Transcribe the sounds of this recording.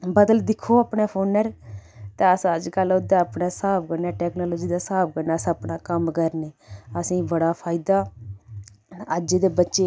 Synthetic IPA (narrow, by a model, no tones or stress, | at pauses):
bəd̪əld̪ɪkʰːoːapɳaːpʰoːnəɾt̪eːəsəd͡ʒkəlʊd̪aːəpnaːsaːp̚ʰkəɾnaːʈɛːknoːloːd͡ʒiːd̪aːsaːp̚ʰkəɾnaːsəpnaːkəmkəɾneːəsĩːbəɽaːpʰaːɪd̪aː | əd͡ʒd̪eːbətːʃeː